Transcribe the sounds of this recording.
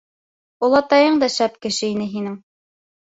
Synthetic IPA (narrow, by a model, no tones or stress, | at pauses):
ŭlˠɑt̪ɑjɤɴd̪ɑʃæp̚kɘ̆ʃɘin̪ɘɦinɘŋ